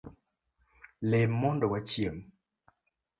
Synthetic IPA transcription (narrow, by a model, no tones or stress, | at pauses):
lemːɔndɔwat͡ʃjem